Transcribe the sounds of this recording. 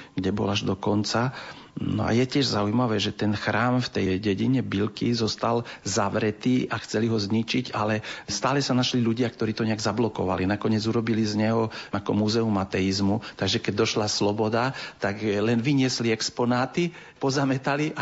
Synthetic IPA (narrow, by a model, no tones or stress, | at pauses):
ɡɟɛbɔ̰laʒd̪ɔkɔnt͡sa | nɔ̰a̰jɛcɪɛʒzaujmaʋɛːʒɛt̪ɛnxɾaːmft̪ɛjɟɛɟiɲɛbilkizɔst̪alzaʋɾɛt̪iːʔaxt͡sɛliɦɔzɲit͡ʃiɟalɛst̪aːlɛsanaʃliluɟɪak̚t̪ɔɾiːt̪ɔɲɛaɡzablɔkɔʋa̰linakɔɲɪɛd͡zuɾɔbilizɲɛɦɔakɔmuzɛumat̪ɛizmut̪aɡʒɛkɛɟ̚d̪ɔʃlaslɔbɔd̪at̪aɡlɛnʋiɲɪɛsliɛkspɔnaːt̪i | pɔzamɛt̪aliʔa